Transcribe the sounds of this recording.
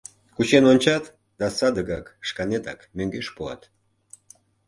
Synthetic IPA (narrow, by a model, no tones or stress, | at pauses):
kut͡ɕenonʲt͡ɕɑt̪ | d̪̥ɑsɑd̪əɣɑkʃkɑnet̪ɑ̰kmøŋɡeʃpoɑ̰t̪